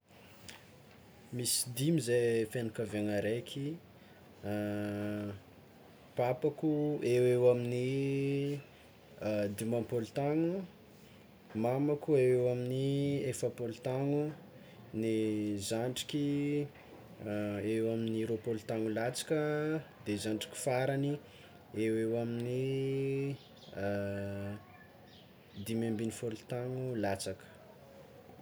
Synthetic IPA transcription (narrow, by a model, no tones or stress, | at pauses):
misi̥d̪imizefenikaveŋaɾekʲʰi | papakuewewamini | d̪imapolt̪aŋu | mamakuewewaminiefəpolit̪aŋu | nizaɳɖ͡ʐi̥kʲi | ewaminiɾopolt̪aŋulat͡sḁkəd̪ezaɳɖ͡ʐi̥kʲi̥faɾani | ewewamini | d̪imambinifolut̪aŋulat͡sakə̥